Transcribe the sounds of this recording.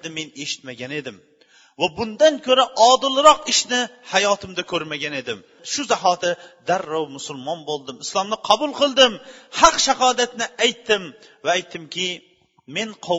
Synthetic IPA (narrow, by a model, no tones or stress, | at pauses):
d̪ɪme̞neʃɪ̥t̪maɡʲane̞d̪ɪm | vabʊnd̪ankʲʰɵɾaʔɒd̪ɨlˠɾɒqɪʃnɪhajɒːt̪ʰɪmd̪akʲʰɵɾmaɡʲane̞d̪ɪm | ʃʊzaɦɒt̪ʰɪd̪aɾːawmʊsʊlˠmɒnbolˠd̪ɪmɪslˠɒmnɪqʰɑbʊlˠqɨlˠd̪ɪmhɑqʃaɦɒːd̪at̪nɪajt̪ʰːɪm | vaːjt̪ʰːɪmkʲɪ | me̞nqʰo